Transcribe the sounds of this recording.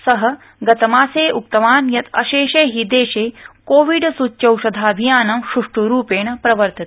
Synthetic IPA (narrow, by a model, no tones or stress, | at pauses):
sɐɦɐ | ɡɐt̪ɐmaːseːʔuk̚t̪ɐʋaːnjɐt̪ɐʃeːʃeːɦid̪eːʃeːkoːʋiɖsutːɐwʃɐd̪ʱaːɐbʱijaːnɐmɕuʂʈuɾuːpeːɳɐpɾɐʋɐɾt̪it̪